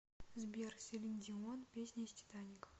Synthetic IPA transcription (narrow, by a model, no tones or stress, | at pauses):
zbʲersʲelʲinʲdʲiwonpʲesʲnʲesʲtʲi̥t̪anʲik